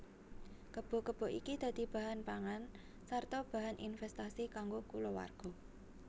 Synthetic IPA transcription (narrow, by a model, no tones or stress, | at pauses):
kəb̥ɔ̤kəb̥ɔ̤ʔikid̪̥ä̤d̪̥i̤b̥ä̤ɦanpaŋan | sart̪ɔb̥a̤ɦanʔḭnfɛst̪asikaŋɡokulowa̰rɡ̥ɔ̤